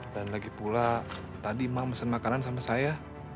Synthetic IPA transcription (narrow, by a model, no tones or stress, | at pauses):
danlaɡipula | t̪adimamasənmakanans̬amasaja